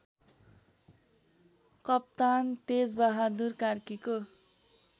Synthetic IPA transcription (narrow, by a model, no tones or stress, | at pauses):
kʌp̚t̪ant̪ed͡zbaɦad̪urkarkiko